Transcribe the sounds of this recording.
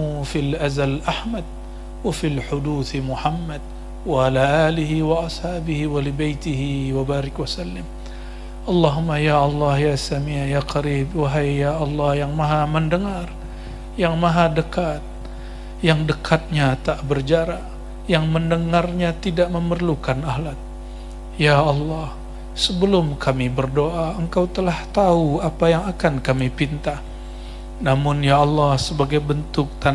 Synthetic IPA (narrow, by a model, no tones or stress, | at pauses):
ufilʔazalʔahmad̚ | wafilħʊduθmuħamːad̚ | waalaʔaːliɦiwaʔɑshaːbɪhiwalibajt̪ɪɦiwabaːɾɪkwasalːɪm | ʔɑlːɑɦumajaʔɑlːɑhjasamijaqaɾiːb̚waɦajjaʔɑlːɑhjaŋmaɦaməndəŋar | jaŋmaɦadəkat̪̚ | jaŋdəkʰat̪̚ɲat̪aʔbərd͡ʒaɾa | jaŋməndəŋarɲat̪idaʔməmərlukanahlat̪̚ | jaɑlːɑh | səbəlʊmkʰamibərdoʔaəŋkawt̪əlaht̪auapajaŋakankamipint̪ah | namʊnjaɑlːɑhsəbaɡajbənt̪ʊk̚t̪an